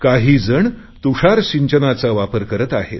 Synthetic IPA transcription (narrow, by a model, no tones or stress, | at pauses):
kaɦiːd͡zəɳ | t̪uʂaɾɕiɲt͡ɕənat͡saʋapəɾkəɾət̪aɦḛt̪